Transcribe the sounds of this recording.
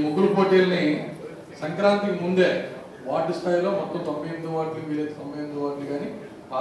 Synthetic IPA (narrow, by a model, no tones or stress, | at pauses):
muɡuɾupoːʈiːlɐni | sɐŋkɾaːnt̪ikmund̪e̞ː | ʋaːʈisʈʰaːjlo̞ːmɔt̪ːɐmt̪ɐmbejnd̪uʋaːʈlimiːɾejt̪etɐmbejnd̪uʋaːʈliɡaːni | a